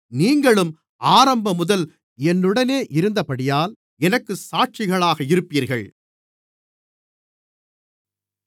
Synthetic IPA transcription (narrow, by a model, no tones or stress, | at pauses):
niːŋɡɐɭɯm | aːɾɐmbɐmʊðɐl | ɛnːɯɽɐneːʔɪɾɯnd̪ɐpɐɽɪjaːl | ɛnɐkːɯsaːʈ̚t͡ʃɪɣɐɭaːɣɐɪɾɯpːiːɾɣɐɭ